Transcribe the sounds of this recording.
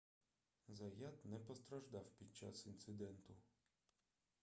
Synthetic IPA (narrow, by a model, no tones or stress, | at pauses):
zɐjat̪nɛpɔst̪ɾɐʒd̪ɑwpʲid̪̚t͡ʃa̰sint̪sɪd̪ɛnt̪ʊ